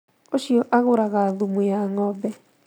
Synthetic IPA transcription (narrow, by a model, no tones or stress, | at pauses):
oʃiɔʔaɣoɾaɣaðumujaŋɔbɛ